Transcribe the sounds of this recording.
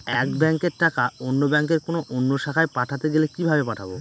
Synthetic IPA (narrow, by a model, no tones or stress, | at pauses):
ɛkbɛŋkeɾʈakaonːobɛŋk̬eɾkonoʔonːoʃakʰaepaʈʰat̪eɡelekibʱabepaʈʰabo